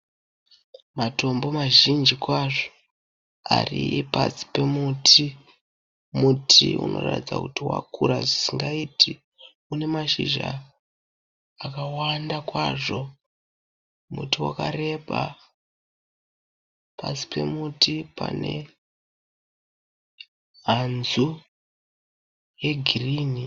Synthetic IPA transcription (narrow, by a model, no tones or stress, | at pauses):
mato̞mbo̞maʒind͡ʒikwaʐo̥ | aripasi̥pe̞mutʰi | mutʰiṵno̞̰ratid͡za̰kutiwa̰kuɾaʐisiŋɡaitʰi | une̞maʃiʒa | kawandakwaʐo̞ | mutiwakare̞ɓa | pasi̥pʰe̞mutipane̞ | ɦanzu | je̞ɡʱiriːni